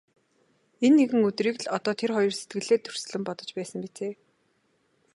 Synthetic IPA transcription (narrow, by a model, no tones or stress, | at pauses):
enːeɣɘ̆ŋɵt̪riːkɮɔt̪ɔːt̪ʰerχɔjɞ̆rse̥t̪ɡɘ̆ɮeːt̪ʰːɵr̥s̆ɮɘ̆mpɔt̪ɞ̥̆t͡ɕpæːsə̆ŋpit͡seː